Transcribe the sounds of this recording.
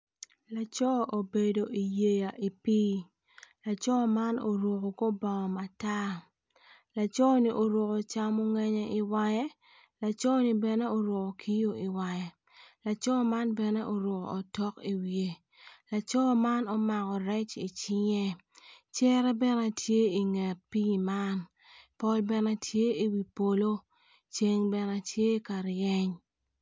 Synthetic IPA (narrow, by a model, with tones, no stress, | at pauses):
la˨t͡ʃɔ˦ʔo˨be˨do˨ʔi˨je˨ja˨ʔi˨piː˦ | la˨t͡ʃɔ˦ma˦no˨ɾwo˨ko˨ko˦ba˨ŋɔ˨ma˨ta˦ | la˨t͡ʃɔ˦ni˦ʔo˨ɾo˨ko˨t͡ʃa˦mo˦ŋɛ˦ɲɛ˦ʔi˨wa˦jɛ˦ | la˨t͡ʃɔ˦ni˦bɛ˨nɛ˦o˨ɾwo˨ko˨kʰi˦jo˦i˨wa˨jɛ˨ | la˨t͡ʃɔ˦ma˦nbɛ˨nɛ˦ʔo˨ɾʊ˨ko̰˨ɔ˨tɔ˦ki˨wje˨ | la˨t͡ʃɔ˦ma˦nɔ˦ma˨kɔ˨ɾɛ˦t͡ʃi˨t͡ʃi˦ɲɛ˦ | t͡ʃɛ˦ɾɛ˦bɛ˦nɛ˦tʰje˦i˨ŋɛ˨t̚pi˦ma˦n | pɔ˦lbɛ˦nɛ˦tʰje˦i˨wi˨po˨lo˦ | t͡ʃe˦ŋbɛ˨na˦tje˦ka˨ɾjɛ˦ɲ